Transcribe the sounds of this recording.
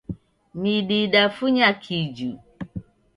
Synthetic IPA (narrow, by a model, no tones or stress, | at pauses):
miɗiɗafuɲakʰid͡ʒu